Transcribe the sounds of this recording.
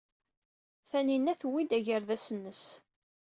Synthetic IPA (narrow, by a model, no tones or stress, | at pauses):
θæninæθwid̪æʝəɾðæsənːəs